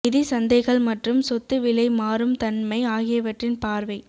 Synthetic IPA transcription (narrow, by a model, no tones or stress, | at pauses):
ɪðɪsɐnd̪ɐɪɣɐɭmɐʈrɯmsɔt̪ːɯʋɪlɐɪmaːɾɯmt̪ɐnmɐɪaːɣɪjɐʋɐʈrɪnpaːɾʋɐɪ